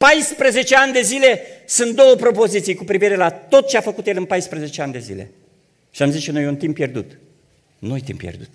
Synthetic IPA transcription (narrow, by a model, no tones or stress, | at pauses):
pajspɾeze̞t͡ʃe̞anʲd̪e̞zile̞sunt̪̚d̪o̞wəpɾo̞po̞zit̪sijkupɾiviɾe̞lat̪o̞t̪̚t͡ʃeafəkut̪jelɨnpajspɾeze̞t͡ʃeanʲd̪e̞zḭle̞̰ | ʃiamzit͡ʃenojunt̪impːje̞rd̪ut̪ | nojt̪ḭmpːjḛrd̪u̥t̪